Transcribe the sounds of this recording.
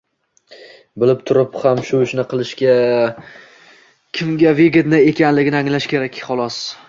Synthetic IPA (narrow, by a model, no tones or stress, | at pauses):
bɪlɪp̚t̪ʰʊɾɪphamʃʊɪʃnɪqɨlˠɪʃkʲa | kʲʰɪmɡʲaveɡʲɪt̪nɪe̞kʲʰanlɪɡʲɪnɪaŋlaʃkʲe̞ɾakʲχɒlˠɒs